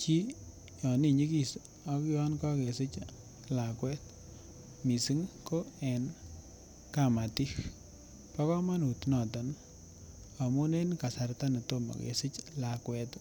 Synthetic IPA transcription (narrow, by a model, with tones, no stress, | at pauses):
t͡ʃi˦ | jɔ˨ni˦ɲi˦ki˨s | ɔ˨kɪ˦ɔ˦nkɔ˦ke˨sɪ˦t͡ʃ | la˨kwɛ˦t | mi˨si˦ŋko˦ɛ˨n | kama˨ti˦x | pa˦kɔ˦ma˦nu˨tnɔ˨tɔ˨n | a˨mu˦ne˦nka˨sa˨rta˦ne˨to˦mɔ̰˨kḛ˨sɪ˦t͡ʃla˨kwɛ˧t